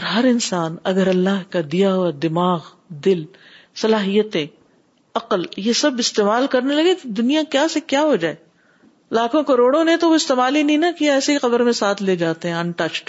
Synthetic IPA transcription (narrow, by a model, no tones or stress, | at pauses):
ɔːɾɦɐɾɪnsaːnɐɡəɾɐlːaɦkad̪ijaɦuad̪ɪmaːɣ | d̪ɪl | sɐlaːɦijət̪ẽ | ɐqəljesɐbɪst̪eːmaːlkɐɾnelɐɡet̪od̪ʊnijakjaːsekjaːɦod͡ʒaːe | laːkʰõkɐɾoːɽõnet̪oʋoɪst̪eːmaːlinɐĩnɐkijaɛːseixɐbəɾmẽsaːt̪ʰleːd͡ʒaːt̪eɦɛ̃ɐ̃nʈɐt͡ʃʈ